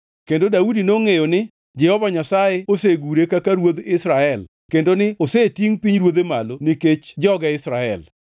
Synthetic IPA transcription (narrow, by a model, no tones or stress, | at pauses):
kendodaudinoŋejonɪ | d͡ʒɛhɔvaɲasajeoseɡuɾekakaɾwod̪ɪsɾaɛl | kendonɪosetiŋpiɲɾwod̪emalonɪket͡ʃd͡ʒɔɡɛɪsɾaɛ̰l